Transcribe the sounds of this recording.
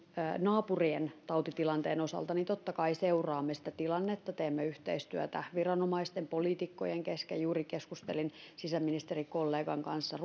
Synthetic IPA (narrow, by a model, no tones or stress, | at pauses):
nɑːpurient̪ɑut̪it̪ilɑnt̪eːnosɑ̰lt̪ɑnint̪ot̪ːɑkɑiseurɑːmːesi̥t̪æt̪ilɑnːet̪ːɑt̪eːmːeyht̪ḛist̪yæt̪æʋirɑnomɑist̪empoliːt̪ikːojeŋkeskḛjuːrikeskust̪ḛlinsisæmːinist̪erikolːeːɡɑŋkɑnsːɑr